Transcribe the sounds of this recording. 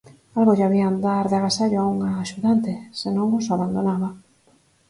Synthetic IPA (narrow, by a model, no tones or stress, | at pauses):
alɣoʎaβiaand̪aɾðeaɣasaʎoauŋaːʃuðant̪esenõŋosaβand̪onaβa